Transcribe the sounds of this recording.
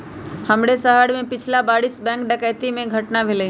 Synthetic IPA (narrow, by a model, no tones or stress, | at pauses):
həmɽesəɦəɽmẽpɪt͡ʃʰlabaːɽiːsbɛ̃ːŋkɖəkəjt̪imẽɡʱəʈnaʋɪle